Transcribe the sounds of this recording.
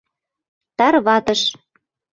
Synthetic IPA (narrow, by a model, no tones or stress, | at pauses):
t̪ɑɾβɑt̪ə̆ʃ